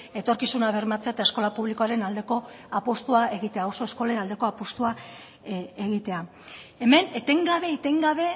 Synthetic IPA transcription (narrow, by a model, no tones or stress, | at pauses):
e̞t̪o̞ɾkisunaβ̞e̞rmat͡seat̪aesko̞lapuβ̞liko̞aɾe̞nald̪e̞ko̞apo̞st̪uae̞ɣit̪e̞aoso̞e̞sko̞lenald̪e̞ko̞apost̪ua | eɣ̞it̪e̞a | e̞me̞net̪e̞ŋɡaβe̞ːt̪e̞ŋɡaβe̞